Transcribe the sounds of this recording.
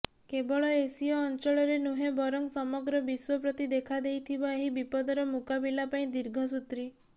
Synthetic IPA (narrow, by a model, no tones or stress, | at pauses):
kebɔɭɔesiɔːnt͡ʃɔɭɔɾenuɦebɔɾɔŋsɔmɔɡɾɔbiswɔpɾɔt̪id̪ekʰad̪ejt̪ʰibɔeɦibipɔd̪ɔɾɔmukabilapaĩd̪iɾɡʱɔs̬ut̪ɾi